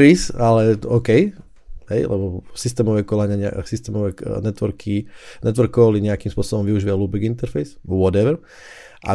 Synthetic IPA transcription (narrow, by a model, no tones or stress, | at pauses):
ɾisalɛɔkɛj | ɦɛjlʔɛ̰bɔsist̪ɛːmɔʋɛkɔlaɲɪaɲɛ̰sist̪ɛːmɔʋɛnɛt̪ʋɔɾkʰinɛt̪ʋɔɾkːɔliɲɛakiːmspʊɔsɔbɔmʋiuʒiɛluːbɛɡint̪ɛɾfɛjswɔd̪ɛʋɛɾ | ʔa̰